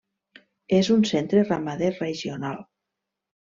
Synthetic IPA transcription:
ezunsent̪ɾeramaðereʒionalˠ

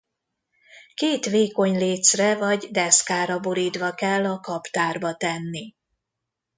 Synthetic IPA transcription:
keːt̪ʋeːko̞ɲleːt̪srɛvɒɟd̪ɛskaːɾɒbo̞ɾiːd̪ʋɒkɛlːɒkɒpt̪aːrbɒt̪ɛnːi

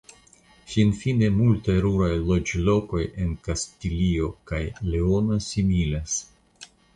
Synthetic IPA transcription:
finfine̞multajɾuɾajlo̞d͡ʒlo̞ko̞je̞nkastilio̞kajleonasimilas

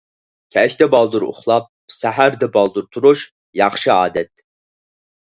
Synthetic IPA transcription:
kʲʰɛʃʲt̪ɛbɑlˠd̪uɾṵχlˠɑp̚sæɦæɾd̪ɛbɑlˠd̪uɾt̪ʰuɾuʃ | jɑχʃɨɑ̰ːd̪ɛt̪̚

